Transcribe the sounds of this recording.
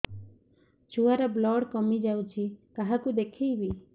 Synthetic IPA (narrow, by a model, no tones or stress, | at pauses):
t͡ʃuaɾɔblɔɽkɔmid͡ʒawt͡ʃʰikaɦakud̪ekʰijbi